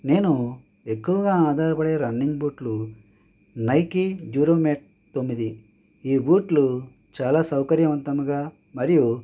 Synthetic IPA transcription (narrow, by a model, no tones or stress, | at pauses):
ne̞ːnu | e̞kːuʋɐɡaːaːd̪ʱaːɾɐpɐɽe̞ːɾɐɳːiŋɡbuːʈlu | nɐjkid͡ʒuːɾoːmeːʈ̚ | t̪o̞mːid̪i | iːbuːʈlu | t͡ʃaːlaːsɐwkɐɾjɐʋɐnt̪ɐmuɡaː | mɐɾiju